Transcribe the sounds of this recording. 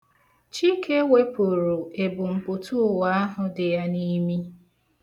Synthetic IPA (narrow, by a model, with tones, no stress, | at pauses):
t͡ʃi˦kʰe˦we˦po˨ɾu˨e˨bʊ˨m̩˨pʊ˨tu˦˨wa˦a˦ɦʊ˨dɪ˨ja˦ni˦mi˦